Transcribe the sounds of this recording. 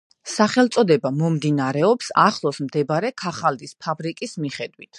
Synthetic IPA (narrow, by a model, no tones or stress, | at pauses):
saχɛlˠt̪sʼɔd̪ɛbamɔmd̪inaɾɛɔpsa̰χlˠɔsmd̪ɛbɾɛkʰaχald̪ispʰabɾikʼismiχɛd̪wit̪ʰ